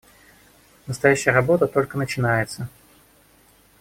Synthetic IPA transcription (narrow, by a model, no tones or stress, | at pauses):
nəst̪ɐjæɕːɪjərɐbo̞t̪ət̪o̞lʲkənət͡ɕɪnajɪt̪sə